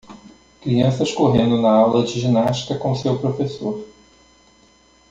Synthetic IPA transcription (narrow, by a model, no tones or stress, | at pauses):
kɾiɐ̃sɐskoɦẽnd̪ʊnɐawlɐd͡ʒɪʒinaʃt͡ʃi̥kɐkõsewpɾofesoɾ